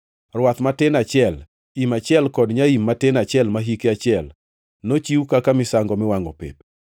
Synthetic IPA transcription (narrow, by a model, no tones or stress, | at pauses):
rwat̪matɪnat͡ʃɪɛl | imat͡ʃɪɛlkɔdɲaimːatɪnat͡ʃɪɛlmaɦikeat͡ʃɪɛl | not͡ʃiwukakamɪsaŋɡɔmɪwaŋɔpḛp̚